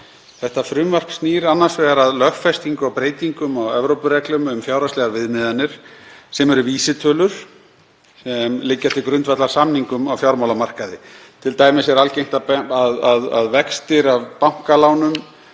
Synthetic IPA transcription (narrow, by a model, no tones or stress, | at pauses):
θɛht̪afɾʏmvar̥kst̪niːɾanːaɾsvɛɣaɾaðlœxfɛst̪iŋkʏawpɾeːjt̪iŋkʏmawɛvɾowpʏɾɛklʏmʏmfjaːwɾast̪lɛɣaɾvɪðnɪðanːɪɾ̥sɛmɛɾʏviːsɪt̪ʰœːlʏɾ̥ | sɛmlɪcːafst̪ɪkɾʏnt̪vat̪laɾsamniŋkʏmawfjawɾmawlamar̥kaðɪt̪ʰɪlt̪aːjmɪsɛɾalcejm̥t̪apaðaðaðvɛkst̪ɪɾavpaŋ̥kalaːwnʏm